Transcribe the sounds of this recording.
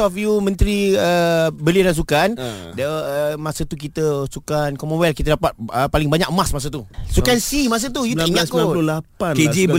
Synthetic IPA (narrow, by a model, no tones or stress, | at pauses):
ɔfjumə̃nt̪ɾiəbəliədans̬ukandəəmasət̪uk̬it̪əsukankɔmɔwɛlkit̪ədapat̪̚əpalɪŋbaɲakmasmas̬ət̪usukansimas̬ət̪ujuiŋɲakaolapaned͡ʒib